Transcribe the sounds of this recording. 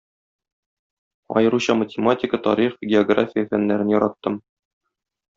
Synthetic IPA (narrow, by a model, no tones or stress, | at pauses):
ɒ̰jɤ̆ɾuɕɑmətʲɪmatʲɪkət̪ɒɾiχɡʲɪoɡra̰fʲɪjəfænːæɾɘnjɒɾɑt̪ːɤm